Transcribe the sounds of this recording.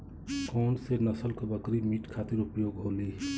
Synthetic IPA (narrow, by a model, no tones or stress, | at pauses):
kɔːɳɖsenəsəlkobəkɾimiːʈkʰaːt̪ɪɾʊpjoːɡɦoːliː